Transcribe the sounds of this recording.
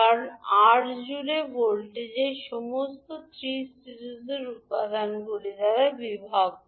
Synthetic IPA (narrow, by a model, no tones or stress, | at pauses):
aɾaʈd͡ʑulebolʈed͡ʑeʃɔmost̪ot̪ɾisʈiɾuzeɾut̪ːad̪ʱanɡoled̪aɾabibʱab̚